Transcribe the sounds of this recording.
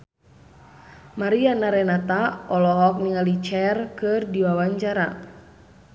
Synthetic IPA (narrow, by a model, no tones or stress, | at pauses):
maɾianaɾɛnat̪aɔlɔɦɔk̚niŋalit͡ʃɛrkɨrdiwawaɲt͡ʃaɾa̰